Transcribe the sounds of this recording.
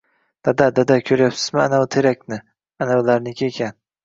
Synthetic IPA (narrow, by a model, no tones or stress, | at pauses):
d̪̥ad̪ad̪ad̪akʲʰɵɾjapsɪ̥zmɪanawt̪ʰeɾakʲnɪ | anawlaɾnɪkʲʰiekʲʰan